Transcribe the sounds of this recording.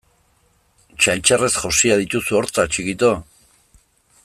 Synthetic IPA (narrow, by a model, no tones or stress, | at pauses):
t͡ʃajnt͡ʃare̞sʝosiaðit̪usuo̞ɾt͡sat͡ʃikit̪o